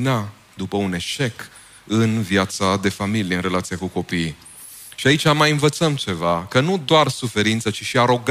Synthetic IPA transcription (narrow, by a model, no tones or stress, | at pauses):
na | d̪upəune̞ʃe̞k | ɨnvjat̪sad̪e̞familijeɨnre̞lat̪sijakuko̞pij | ʃiait͡ʃʲamajɨnvət̪səmt͡ʃe̞vakənud̪oarsufe̞ɾint̪sət͡ʃiʃiaɾo̞ɡ